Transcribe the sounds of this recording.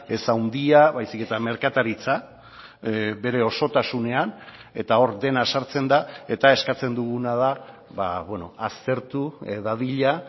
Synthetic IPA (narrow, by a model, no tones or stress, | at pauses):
e̞sawnd̪iaβajsike̞t̪ame̞ɾkat̪aɾit͡sa | be̞ɾe̞o̞so̞t̪asune̞an | e̞t̪ao̞ɾd̪e̞nasaɾt͡se̞nd̪ae̞t̪ae̞skat͡se̞nd̪uɣunað̞a | βaβweno̞ast̪e̞ɾt̪uðaðiʎa